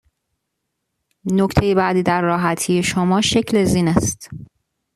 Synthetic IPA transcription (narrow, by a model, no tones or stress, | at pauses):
nocʰt̪ʰejebæd̪iːd̪æɾːɒːɦæt̪ʰiːje̞ʃomɒːʃecʰle̞ziːnæst̪